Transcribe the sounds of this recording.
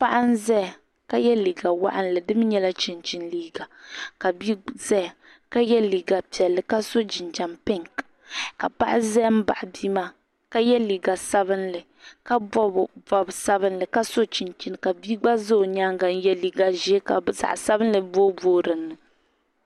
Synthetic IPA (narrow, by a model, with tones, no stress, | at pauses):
pa˦ʔa˦n˦zɛ˦˨ | ka˦jɛ˦liː˨ɡa˨wa̰˦ʔa˦n˦lɨ˨dɨ˦m˦ɲɛ˦la˦t͡ʃi˨nt͡ʃi˦nliː˦ɡa˨ka˨bi˦zɛ˦˨ | ka˦jɛ˦li˨ɡa˨pi˨ɛ˨lːɨ˨ka˦so˦d͡ʒi˨nd͡ʒa˨mpɪ˦ŋk | ka˨pa˦ʔa˦zɛ˦m̩˦ba̰˨ʔa˨bi˦ma˦ | ka˦jɛ˦liː˨ɡa˨sa˦βɨ˦nlɨ˨ | ka˦ɔ˦˨vɔ˨bsa˦βɨ˦nlɨ˨ka˦so˦t͡ʃi˨nt͡ʃi˦n˨ka˨bi˦ɡ͡ba˦zo˦˨ɲaː˦ŋɡa˨n̩˦jɛ˦liː˨ɡa˨ʒɛ˦ka˨sa̰˨ʔsa˦bɨ˦n˦lɨ˨boː˦boː˦ɾɨ˨nːɨ˨